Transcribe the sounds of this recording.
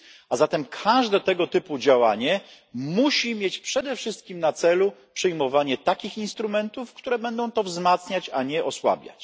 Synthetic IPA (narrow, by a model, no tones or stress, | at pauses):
azat̪ɛmkʰaʐd̪ɛt̪ɛɡɔt̪ɘpud͡ʑawaɲɛ | muɕimʲjet͡ɕpʂɛd̪ɛfʂɘst̪̚kʲimnat̪sɛlupʂɨjmɔvaɲɛt̪akʲixinst̪ɾumɛnt̪ufkt̪uɾɛbɛnd̪ɔ̃w̃t̪ɔvzmat̪sɲat͡ɕaɲɛʔɔswa̰bʲja̰t͡ɕ